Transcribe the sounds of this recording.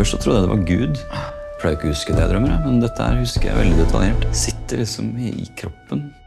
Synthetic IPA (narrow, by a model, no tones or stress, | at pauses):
œʂsɔt̪ʰɾʊd̪əæd̪ɛʋʔɑ̰ɾɡʉːd̪ | pʰlɑːɪkːəhʉskəd̪ɛjæɪd̪ɾœmːəɾəmɛnd̪ɛt̪ːəhæ̰ːɾhʉskəjæ̰ʋɛ̰ld̪ɪd̪ɛt̪ʰɑljeːʈsɪt̪ːəɭɪksɔmɪɪkʰɾɔpːən